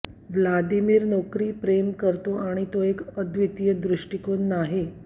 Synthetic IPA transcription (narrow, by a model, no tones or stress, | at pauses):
ʋlad̪imiːɾnɔkɾiːpɾemkəɾt̪oaɽ̃it̪oekəd̪ʋit̪ijəd̪ɾɪʂʈikoːnːaɦe